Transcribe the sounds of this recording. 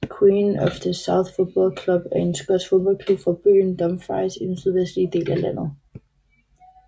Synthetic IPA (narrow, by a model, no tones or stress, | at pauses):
kʰwiːnɒfd̥əsɑ̈ʊθfod̥̚b̥ɒlkʰlub̥æɐe̝nsɡ̥ɒd̥fo̝ðˠb̥ɒ̽lkʰlub̥fɑb̥y̰ːnd̥ɒ̽mfɑ̈ɪsid̥ensyð̞ˠʋesd̥lid̥e̝̰ːlælæn̰ð̩ˠ